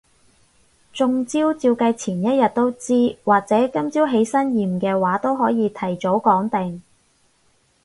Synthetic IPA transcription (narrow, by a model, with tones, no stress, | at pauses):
t͡sʊ˨˧ŋt͡siː˥wt͡siː˧wkɐ˧jt͡sʰiː˨˩njɐ˥t̚jɐ˨t̚t̪o˥wt͡siː˥waː˨k̚t͡sɛː˨˥kɐ˥mt͡siː˥wɦe˨˥jsɐ˥njiː˨˩mkɛː˧waː˨˥t̪o˥wɦɔː˨˥jiː˨˧t̪ʰɐ˨˩jt͡ʃo˨˥wkɔː˨˥ŋt̪ɪ˨ŋ